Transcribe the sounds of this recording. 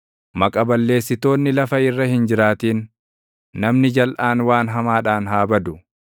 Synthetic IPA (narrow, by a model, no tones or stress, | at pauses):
mɐkʼɐbɐlːe̞ːsːɪt̪o̞ːnːɪlɐfɐɪrːɐhɪnd͡ʒɪɾaːt̪iːnː | ɐmnɪd͡ʒɐlʔaːnwaːnɦɐmaːᶑaːnɦaːbɐd̪ʊ